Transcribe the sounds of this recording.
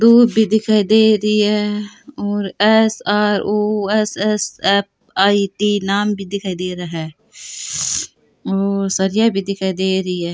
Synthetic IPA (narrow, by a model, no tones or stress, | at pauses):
d̪uːd̪̚bʱid̪ɪkʰaːid̪eːɾɐiɦɛɔːɾɛsaːɾoːɛsɛsɛp̚ | aːiʈiːnaːmbʱid̪ɪkʰaːid̪eːɾɐɦɛ | oːɾsɐɾɪjabʱid̪ɪkʰaːid̪eːɾɐiɦɛː